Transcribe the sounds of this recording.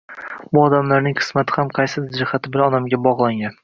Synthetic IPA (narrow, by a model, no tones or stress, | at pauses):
bʊɒd̪amlaɾnɪŋqʰɨ̥smat̪ʰɪ̥hamqʰɑjsɪd̪d͡ʒɪhat̪ʰɪbɪlɒnamɡʲabɒʁlˠaŋʲan